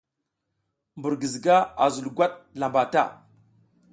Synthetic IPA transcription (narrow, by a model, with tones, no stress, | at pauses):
mbu˨ɾɡi˨zɡa˦a˨zu˨lɡʷa˦t̚la˨mba˨ta̰˦˨